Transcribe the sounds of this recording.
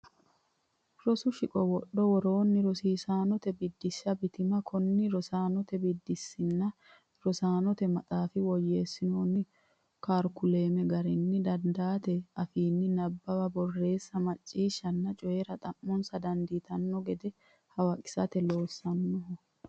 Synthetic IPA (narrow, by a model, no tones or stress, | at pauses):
ɾɔsʊʃɪkʼɔwɔɗːɔwɔɾo̞ːnːɪɾɔsiːsaːnɔt̪ɛbɪd̪ːɪʃːɐbɪt̪ɪmɐkʰɔnːɪɾɔsaːnɔt̪ɛbɪd̪ːɪsːɪnːɐ | ɾɔsaːnɔt̪ɛmɐt̪ʼaːfɪwɔjːeːsːɪnoːnːɪ | kaːɾkʊle̞ːmɛɡɐɾɛnːɪd̪ɐnd̪aːt̪ɛɐfiːnːɪnɐbːɐbɐbɔrːe̞ːsːɐmɐt͡ʃʼːiːʃːɐnːɐt͡ʃʼɔjeɾɐt̪ʼɐmːɔnsɐd̪ɐnd̪iːt̪ɐnːɔɡɛd̪ɛ | hɐwɐkʼɪ̥sɐt̪ɛlo̞ːsːɐnːɔɦɔ